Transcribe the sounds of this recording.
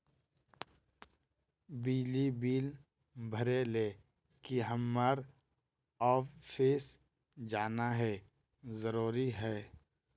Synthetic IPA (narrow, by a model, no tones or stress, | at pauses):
biːlibiːl | bʱəɾeleː | kiɦəmːəɾ | ɔːfʰes | d͡ʒaːnaɦɛː | zəɾuːɾiɦɛː